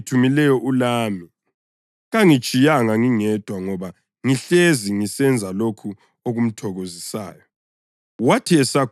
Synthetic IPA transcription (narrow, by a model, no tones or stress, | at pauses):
tʰumilɛjɔʔulaːmi | ɣaŋi̥t͡ʃʼijaŋaŋiŋɛd̥ʱwaŋɔβa | ŋiɬeziŋisɛnd͡zʱalokʰu | oɣum̩tʰɔɣozisa̰ːjɔ | watʰiɛsak